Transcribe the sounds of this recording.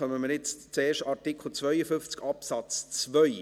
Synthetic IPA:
œməməɾjɪt͡st͡seːɾʃtɑɾtikʰl̩t͡svœʏəfʏnft͡skɑpsɑt͡st͡svœʏ

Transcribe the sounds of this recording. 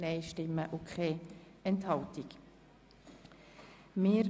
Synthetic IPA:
nɛɪʃtɪmːəʔʊkʰχeː | ɛnthɑltik | mɪːɾ

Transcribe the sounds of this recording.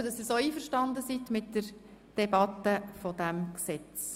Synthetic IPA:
ədɑsːiːɾsoːiːfəɾʃtɑndəsitmɪtd̥əɾ | d̥ɛbɑt̪ːəfɔd̥æmksɛt͡s

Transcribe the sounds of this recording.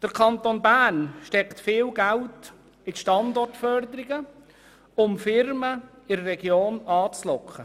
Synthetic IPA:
d̥əɾkʰɑnt̪onbæːnʃtɛkt̪fɪːlɡælt | ɪtʃtɑnd̪ɔrtfœɾd̪əɾɪɡə | ʊmfɪɾmə | ɪɾrɛɡjoːnɑːt͡slɔkʰχə

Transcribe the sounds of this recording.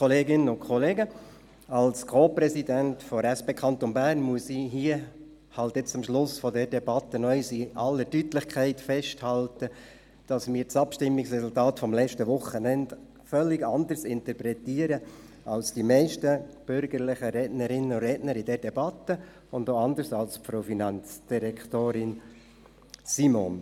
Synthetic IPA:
ɔleːɡɪnənʊnkʰɔleːɡə | ɑlskʰoːpɾɛsidæntfɔɾɛspeːkʰɑnt̪ɔnbæɾnmuəsiɦiə | hɑltɪt͡sʊmʃlʊsfɔdɛːɾdɛbɑt̪ːənœʏsiʔɑlːətytlɪχkʰæɪtfɛʃthɑltə | d̥ɑsmiːɾt͡sɑpʃtɪmːɪksʁɛsʊltɑːtfɔmlɛt͡ʃtəʋʊχənɛnt | fœlːɪɡɑndəɾsɪnt̪əɾpɾɛtiːəɾə | ʔɑlsd̥imɛɪʃtəb̥ʏɾɡəɾlɪχəɾɛdnəɾɪnːəʊɾɛːdnəɾidɛːɾdɛbɑtə | ʊndoːɑndəɾsɑlspfɾofinɑnt͡sd̥iɾɛktoːɾɪn | simo̰n

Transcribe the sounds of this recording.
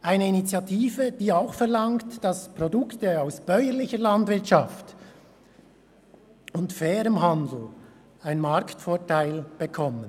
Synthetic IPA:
ʔaɪnəinit͡sjatʰiːvəd̥iːaʊxfɛʁlɑŋtd̥ɑspʁodʊktəaʊsb̥œʏəlɪçəɾlandvɪɐtʃɑft | ʊntfɛːɾəmɦandl̩ | aɪnmɑɾktfoːtʰaɪlb̥əkʰɔmən

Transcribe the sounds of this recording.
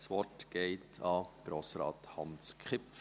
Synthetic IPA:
sʋɔtɡ̥ɛɪtʰɑɡ̥ɾoːsɾɑ̰ːthɑnskχɪpf

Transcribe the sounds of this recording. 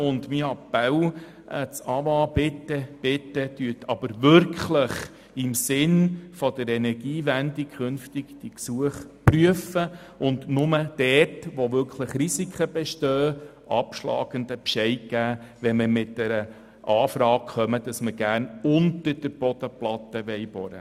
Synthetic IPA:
ʊndmiɑpɛw | t͡sɑʋɑːb̥ɪtːəb̥ɪtːəd̥yətʰɑb̥əɾʋʏɾkχləχ | ɪmsɪnfɔdəɾɛnɛɾɡ̥iːʋændikχʏnftɪkd̥iksuəχpryəfə | ʊndnʊməd̥ɛtʋoʋʏɾkʰləχrisikχəb̥ɛʃtøːʔɑpʃlɑ̰ːɡ̥əndəpʃɛɪɡ̥æːʋɛnmɪɾmɪtd̥ɛɾə | ʔɑːfɾɑːk̚χœməd̥ɑsməɡ̥æːɾnʊntəɾd̥əɾb̥ɔd̥̪əplɑt̪əʋɛɪb̥ɔɾə̰

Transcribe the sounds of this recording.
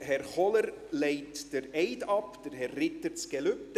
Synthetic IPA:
ɦɛrχɔləɾ | leɪtd̥əɾeɪdɑpd̥əɾhɛrːɪtət͡sɡ̥ɛlʉp̚t

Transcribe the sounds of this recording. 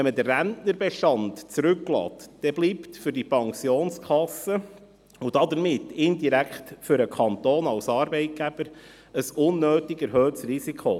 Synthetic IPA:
ɛmədərːæntnəɾbɛʃtɑntt͡sɾʉklɑ̰ːtd̥ɛbliːptfʏɾd̥ipʰɑŋsjoːnskʰɑsːə | ʊd̥ɑdəɾmɪt̪ːɪndiɾækχtfʏɾəkʰɑnt̪oːnɑwsɑːɾbɛɪt̚ɡ̥æb̥əɾ | əsʊnːøːtɪɡɛɾɦøːtsrisikχo

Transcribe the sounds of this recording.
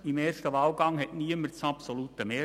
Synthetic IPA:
imeːʃtəʋɑːlɡɑŋhɛtniəmətt͡sɑpsolut̪əmeː

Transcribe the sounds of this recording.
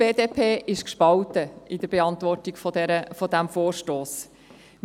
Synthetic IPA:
eːd̪eːpʰeːʔɪʃkʃpɑltəɪd̥̪əɾb̥eɑnt̪ʋɔrtiɡfɔdɛəfɔd̪æmfoːrʃtoːs | m

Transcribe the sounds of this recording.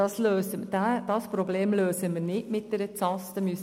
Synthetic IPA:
ɑsløːsəd̥d̪̥ɑspɾobleːmløːsəmiɾnɪtmɪt̪̚d̪̥ɛɾət͡sɑːst̪əmys

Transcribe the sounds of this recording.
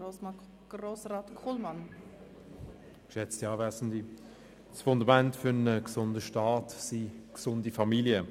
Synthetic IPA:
ɾoːsraːtkʰulmɑn | kʃɛt͡stiɑːvɛːsn̩di | sfʊndamɛntfʏʁənəksʊndəʃtɑːtsiksʊndifamiljə

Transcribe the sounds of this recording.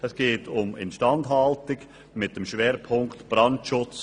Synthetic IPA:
ɛsɡ̥eːtʊmɪ̰nʃtɑndɦɑltɪɡ | mɪt̚d̥ɛmʃveːɾpʰʊŋktb̥rɑntʃʊt͡s

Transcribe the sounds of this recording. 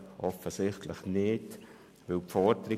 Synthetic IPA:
ʔɔfəsɪχtləχnɪt | ʋɪlpfɔdəɾɪ

